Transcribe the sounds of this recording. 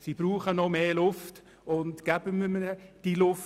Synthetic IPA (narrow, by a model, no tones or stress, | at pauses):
sib̥ruːχənɔmeːlʊft | ʊntɡ̥æbəmyməəd̥ilʊf